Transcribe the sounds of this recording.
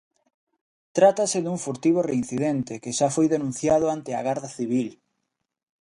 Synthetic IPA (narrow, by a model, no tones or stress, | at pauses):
t̪ɾat̪asɪðuŋfuɾt̪iβ̞orein̟θiðent̪ɪkɪʃafojðenũn̟θjað̞ʊant̪ɪaɣaɾðɐθiβ̞il